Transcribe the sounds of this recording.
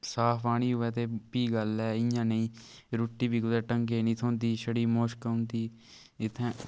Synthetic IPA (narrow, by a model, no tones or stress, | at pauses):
saːfʰaːɽ̃iːɦʊʋɛːt̪eːpiːɡəlɛːɪjãːnəĩːɾuːʈːiːbiːɡʊd̪ɛːʈəŋɡeːnĩːt̪ʰoːnd̪iːʃəɽiːmoːʃkəʊnt̪iː | ɪt̪ʰːẽː